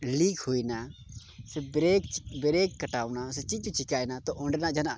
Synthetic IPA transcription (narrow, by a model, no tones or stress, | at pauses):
liːkʰɦoːina | sebɾeːkbɾeːkːəʈaːʊnaːset͡ʃit͡ʃut͡ʃʰɪkaːinat̪oʔoɳɖenad͡ʒana